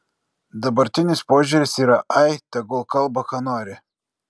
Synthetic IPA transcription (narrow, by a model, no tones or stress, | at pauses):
d̪ɐbɐɾʲt̪ʲɪnʲɪspoːʒʲuɾʲɪsiːɾɐʔɐɪt̪ʲɐɡʊlˠkɐlˠbɐkɑːnoːɾʲɪ